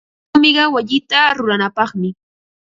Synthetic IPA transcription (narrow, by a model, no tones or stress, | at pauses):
mɪɢɑwaʎɪt̪aɾʊɾanapɑχmɪ